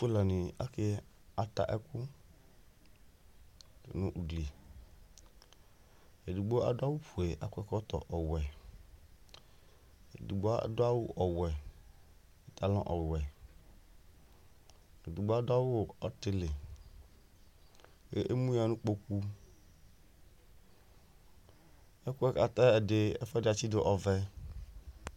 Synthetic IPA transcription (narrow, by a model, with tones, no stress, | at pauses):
fʊ˦la˨nɪ˨a̰˦kɪ˦ | a˦ta̰˨ʔɛ˦kʊ˦ | tɪ̰˨nʊ̃˦˨ʔu˨ɡli˨ | e˨du˨ɡ͡bo˦a̰˦dʊ˦a˦wʊ˦ɸu˨e˨ʔa̰˨kʊ˦ɛ˦kɔ˦tɔ̰˨ʔɔ˨wɛ˨ | e˨du˨ɡ͡bo˦a̰˦˨dʊ˦a˦wʊ˦ʔɔ˨wɛ˨ | e˨t̪a˨lɔ̰̃˦ʔɔ˨wwɛ˨ | e˨du˨ɡ͡bo˦a˦dʊ˦a˦wʊ˦˨ɔ˦t̪ɪ˦lɪ˨ | ke˦ʔe˦mũ˦a˨nũ˦k͡po˦k̚u˦ | ɛ˦ku˦ɛ˦ka˨t̪a˦ɛ˨dɪ˨ɛ̰˦fɛ˦dɪ˨a˨t͡ɕi˦dɪ˦ʔɔ˨vɛ˦